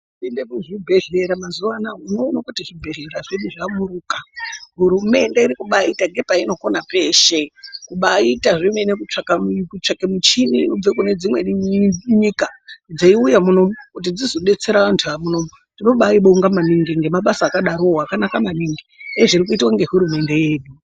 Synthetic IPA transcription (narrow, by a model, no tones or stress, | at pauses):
pinde̞kuʐibʱe̞ɮe̞ɾamazuʋanaoino̞ːnakutiʐibʱe̞ɮe̞ɾaʐeɗuʐamuɾuːkaɦuɾume̞ndeiɾikuɓaitaŋɡe̞paino̞ko̞nape̞ʃe̞kuɓaitaʐimwenekut͡ʂakakut͡ʂakemut͡ʃiniub͡vekune̞d͡zimwe̞ɲikad͡zaiujamuno̞mukut̬id͡zizo̞ɓe̞t͡se̞ɾaʋantʰuamuno̞mu | tino̞ɓaiɓoŋɡamaniŋɡiŋɡe̞maɓasaːkaɗaɾoakanakamaniŋɡieeʐiɾik̬uitwaŋɡe̞ɦuɾume̞nde̞jeːɗu